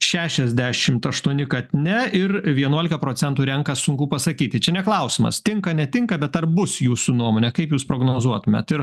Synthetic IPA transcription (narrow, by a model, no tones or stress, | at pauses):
ʃʲæːʃʲɛzʲd̪ʲæːʃʲɪmt̪ɐʃt̪uɔnʲɪkɐt̪ʲnʲɛɪɾʋʲiɛnuɔlʲɪkɐpɾoːt͡s̪ʲɛnt̪uːɾʲɛŋkɐsʊŋkupɐsɐkʲiːt̪ʲɪt͡ʃʲɛnʲɛklˠɐʊsʲɪmɐ̰st̪ʲɪŋkɐnʲɛt̪ʲɪŋkɐbʲɛt̪ɐrbʊsjuːsunuɔmoːnʲɛkɐɪpjuːspɾoːɡnoːzuɔt̪ʊmʲɛ̰t̪ɪɾ